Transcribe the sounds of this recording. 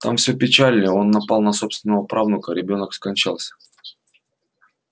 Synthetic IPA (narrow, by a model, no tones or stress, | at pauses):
t̪ʰa̰mfsʲɵpʲɪt͡ɕalʲnəo̞nːɐpalˠnɐso̞pst̪vʲɪnəvəpɾavnʊkəɾʲɪbʲo̞nəkskɐnʲt͡ɕa̰lˠsʲə̥